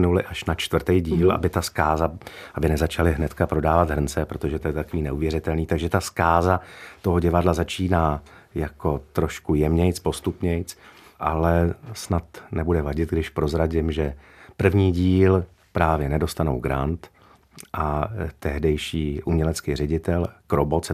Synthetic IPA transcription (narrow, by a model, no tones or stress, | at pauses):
nulɪʔaʃnat͡ʃt̪vr̩t̪ɛjɟiːlʔa̰bɪt̪askaːzaʔabɪnɛzat͡ʃalɪɦnɛt̪kapɾo̞daːvat̪ɦr̩nt͡sɛpɾo̞t̪oʒɛt̪ojɛt̪akoviːnɛʔuvjɛɾɪt̪ɛlniːt̪aɡʒɛt̪askaːzat̪o̞ɦo̞ɟɛvadlazat͡ʃiːnaːjako̞t̪ɾo̞ʃkujɛmɲɛjt͡spo̞st̪upɲɛjt͡sʔalɛsnat̪nɛbudɛvaɟɪt̪̚ɡdɪʃpɾo̞zɾaɟɪmʒɛ | pr̩vɲiːɟiːl | pɾaːvjɛnɛdo̞st̪ano̰wɡɾant̪ | ʔat̪ɛɦdɛjʃiːʔumɲɛlɛt͡skiːrɛɟɪt̪ɛlkɾobo̞t̪t͡sɛ